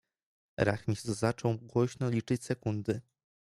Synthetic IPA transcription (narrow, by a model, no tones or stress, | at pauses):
ɾa̰xmʲist̪zat͡ʂɔ̃wɡwɔɕnɔlʲit͡ʂɘt͡ɕʲsɛkund̪ɘ